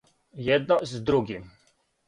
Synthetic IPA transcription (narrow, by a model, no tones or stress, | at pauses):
jɛd̪̚nɔzd̪ɾuɡim